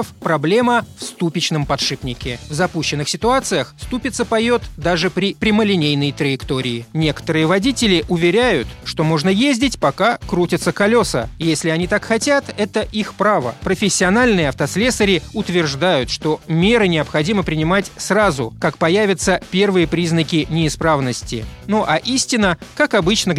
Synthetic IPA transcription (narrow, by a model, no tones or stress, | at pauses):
əfpɾɐblʲe̞məfst̪upʲɪt͡ɕnəmpɐt̪ʂɨpnʲɪkʲɪvzɐpuɕːɪnːɨxsʲɪt̪ʊat̪sɨjəxst̪upʲɪt̪səpɐjot̪d̪aʐɨpɾʲɪpɾʲɪməlʲɪnʲejnəjt̪ɾəjɪkt̪o̞ɾʲɪɪnʲe̞kə̥t̪əɾɨjəvɐdʲitʲɪlʲɪʔʊvʲɪɾʲæjʊt̪ʂt̪o̞mo̞ʐnəjezʲdʲɪtʲpɐkakɾutʲɪt̪səkɐlʲo̞sə̰jesʲlʲɪɐnʲit̪akxɐtʲat̪ɛt̪əʔixpɾavə̰pɾəfʲɪsʲːɪɐnalʲnɨjəɐft̪əslʲesəɾʲɪʊt̪vʲɪrʐd̪ajʊt̪ʂt̪o̞mʲe̞ɾɨnʲɪɐpxɐdʲiməpɾʲɪnʲɪmatʲsrazʊ̰kakpɐjævʲɪt̪səpʲe̞rvɨjəpɾʲiznəkʲɪnʲɪːspɾavnəsʲtʲɪ̰noʔaʔisʲtʲɪnəkakɐbɨt͡ɕnə